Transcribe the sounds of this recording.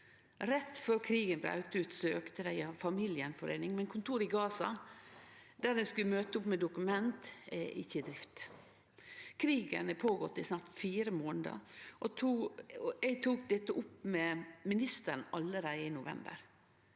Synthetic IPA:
ɾɛt̪ːføːɾkʰɾiːɡənbɾɑ̰ʉt̪əʉːt̪sɔøːkt̪əd̪æɪɑfɑmiːlɪənfɔɾḛːnɪŋmɛnkʰʊnt̪ʰuːɾɪɡɑːsɑ | d̪æd̪ɛnskʉlmøːt̪əʊpmɛd̪ʊkʉmɛnt̪ɛɪ̰çːəd̪ɾɪft̪ | kʰɾiːɡənpʰoːɡɔt̪ːɪsnɑːɾt̪fiːɾəmoːnəd̪ɑ̰ʔɔt̪ʰu | ɛɡt̪ʰuːk̚d̪ɛt̪ːəʔʊpːmɛmɪnɪst̪ən̩ɑlːəɾæɪɪnʊʋɛ̰mbə̰ɾ

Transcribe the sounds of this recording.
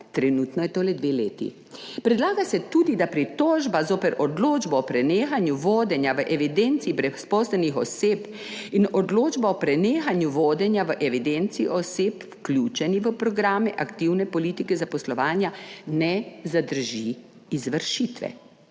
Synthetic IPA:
t̪ɾɛnuːt̪nɔjɛt̪oːlɛd̪ʋeleːt̪ḭ | pɾɛd̪laːɡasɛt̪uːd̪id̪apɾit̪oːʒbazoːpɛɾʔɔd̪loːd͡ʒbɔɔpɾɛneːxanjuʋoːd̪ɛnjaʋəʔɛʋid̪ent̪siːbɾɛspɔslɛnixɔ̰seːp | inɔd̪loːd͡ʒbaɔpɾɛneːxanjuʋoːd̪ɛnjaʋəʔɛʋid̪ɛnt̪siːʔɔseːpfklʲut͡ʃɛniʋəpɾɔɡɾaːmɛʔakt̪iwnɛpɔliːt̪ikɛzapɔslɔʋaːnjanɛzad̪əɾʒi | izʋəɾʃit̪ʋɛ̰

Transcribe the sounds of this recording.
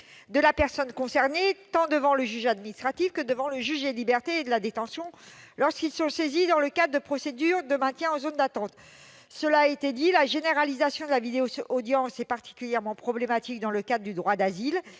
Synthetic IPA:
d̪əlapɛʁsɔnkɔ̃sɛʁnet̪ɑ̃d̪əvɑ̃ləʒyʒad̪minist̪χat̪ifkəd̪əvɑ̃ləʒyʒd̪elibɛʁt̪eːd̪əlad̪et̪ɑ̃sjɔ̃lɔʁskʲilsɔ̃sezid̪ɑ̃ləkad̪ʁəd̪əpχɔsed̪yʁd̪əmɛ̃t̪jɛ̃ozond̪at̪ɑ̃t̪ | səlaːet̪ed̪ilaʒeneʁalizasjɔ̃d̪əlavid̪eoːd̪jɑ̃sɛpaʁt̪ʰi̥kʲyljɛʁmɑ̃pχɔblemat̪ikd̪ɑ̃ləkad̪ʁəd̪yd̪ʁwad̪azil

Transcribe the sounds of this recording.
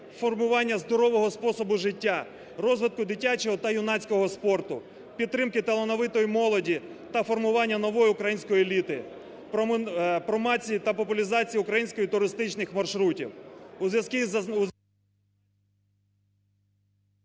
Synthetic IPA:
fɔrmʊʋɑnʲːɐzd̪ɔɾɔʋɔɦɔspɔsɔbʊʒɪtʲːa | rɔzʋɪt̪̚kʊd̪ɪtʲːat͡ʃɔɦɔt̪ɐjʊnɑt͡sʲkɔɦɔspɔrt̪ʊ | pʲid̪̚t̪ːɾɪmkɪt̪ɐlˠɐnɔʋɪt̪ɔjimɔlˠɔdʲi | t̪ɐfɔrmʊʋɑnʲːɐnɔʋɔjiʊkɾɐjinʲsʲkɔjielʲit̪ɪ | ppɾɔmɑt͡sʲijit̪ɐpɔpʊlʲizɑt͡sʲijiʊkɾɐjinʲsʲkɔjit̪ʊɾɪst̪ɪt͡ʃnɪxmɐrʃɾutʲiwuzʋjɐskʲi

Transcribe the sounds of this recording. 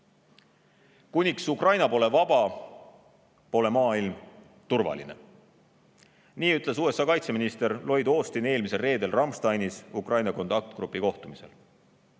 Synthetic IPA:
kunʲiksukrɑjnɑpo̞ːle̞vɑb̥ɑ | po̞ːle̞mɑːilm | t̪urvɑ̰lḭne̞̰ | niːyt̪ˑle̞suːe̞sɑːkɑjt̪se̞minist̪e̞ɾlo̞jd̪o̞ːst̪ine̞ːlmise̞lre̞ːd̪e̞lrɑmst̪ɑjnisukrʔɑjnɑko̞nt̪ɑk̚t̪ɡ̥rupːˑiko̞ht̪umise̞̰l

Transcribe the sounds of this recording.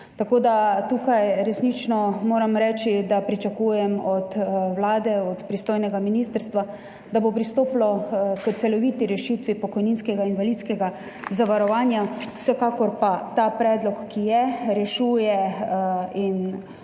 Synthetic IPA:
t̪akoːd̪at̪ukajɾɛsniːt͡ʃnɔmoːɾamɾɛːt͡ʃid̪apɾit͡ʃakuːjɛmɔt̪wlaːd̪ɛɔt̪pɾist̪oːjnɛɡaminist̪əɾst̪ʋa | d̪abopɾist̪oːplɔkət̪sɛlɔʋiːt̪iɾɛʃiːt̪ʋipɔkɔjninskɛɡainʋalit̪skɛɡa | zaʋaɾɔʋaːnjawsɛkaːkɔɾpat̪apɾɛːd̪lɔkːijɛɾɛʃuːjɛ | in

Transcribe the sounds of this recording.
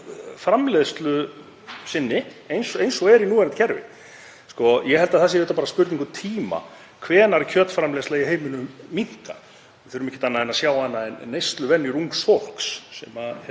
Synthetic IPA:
fɾamlɛðst̪lʏ | sɪnːɪejnsɔejnsɔɣɛɾjinuːɛɾnat̪cʰɛɾvɪ̰ | skɔjɛhɛlt̪aðθɛs̬ɪejt̪apaːɾaspʏɾt̪niŋkʏt̪ʰiːma̰ | kʰvɛːnaɾcʰœːt̪fɾamlɛːstlaɣiɦeːjmɪnʏmːiŋ̥ka | θʏːɾʏmɛhcːɪ̥t̪anːaðɛnasjaːwaɛnːaɛnnːejst̪lʏvɛnːjʏɾuŋksfɔl̥ksːɛ̰ma

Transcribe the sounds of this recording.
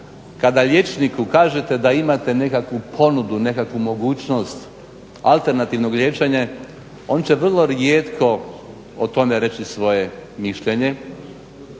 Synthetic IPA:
kad̪aʎʲje̞t͡ʃnikukaːʒe̞t̪e̞d̪aimat̪e̞ne̞kakʋupʰo̞nud̪une̞kakʋumo̞ɡuːt͡ɕno̞st̪ | a̰lˠt̪e̞ɾnat̪iʋno̞ɡʎʲe̞t͡ʃeɲe | o̞nt͡ɕeʋr̩lˠo̞ɾjeːt̪kʰo̞ | ot̪o̞me̞ɾe̞t͡ɕisʋo̞je̞miʃʎe̞ɲe̞

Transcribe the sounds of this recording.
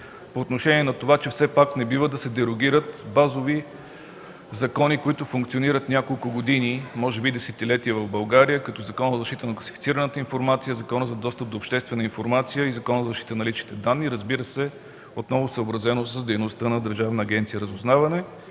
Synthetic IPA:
poːt̪noʃɛniɛnɐt̪ovat͡ʃɛfsɛpaknɛbivəd̪ɐsɛd̪ɛɾoɡʲiɾət̪bazovi | zɐkɔnikoit̪ʊfʊŋkt̪sioniɾət̪nʲakolˠkʊɡod̪inimɔʒɛbid̪ɛsɛt̪ilɛt̪iəvɐvbɐlˠɡaɾijəkɐt̪ɔzɐkɔnəzzɐʃt̪it̪ənɐklˠɐsi̥fit̪siɾənət̪əinfoɾmat̪sijəzɐkɔnəzɐd̪ɔst̪əp̚d̪oːpʃt̪ɛst̪vɛnəinfoɾmat̪sijəizɐkɔnəzəzɐʃt̪it̪ənɐlit͡ʃnit̪ɛd̪anːiɾəzbiɾəsɛ | ot̪nɔvʊsəobɾɐzɛnosəzd̪ɛjnost̪ənɐd̪əɾʒavnəːɡʲɛnt̪sijəɾəzʊznavɐnɛ

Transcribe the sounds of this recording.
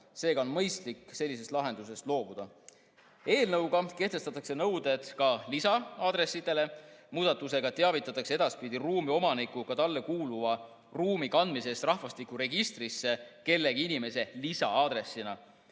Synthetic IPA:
se̞ːɡɑo̞nmɤjst̪likːse̞lːis̬e̞st̪lɑɦe̞nd̪us̬e̞st̪lo̞ːb̥ud̪̥ɑ | e̞ːlnɤwɡ̥ɑke̞ht̪est̪ɑt̪ːˑɑkse̞nɤwd̪e̞d̪̥kɑlisɑɑːd̪ɾe̞sːid̪̥e̞le̞muːd̪̥ɑt̪ːˑuse̞ɡ̥ɑt̪e̞ɑvit̪ːˑɑt̪ːˑɑksee̞d̪̥ɑspid̪̥iruːmio̞mɑnikːukɑt̪ɑlːe̞kuːluvɑ | ruːmikɑnd̪mise̞st̪rɑhvɑst̪ikːˑuɾe̞ɡist̪risːe̞ke̞lːe̞ɡiinime̞se̞lisɑ̰ɑd̪ɾe̞sːinɑ

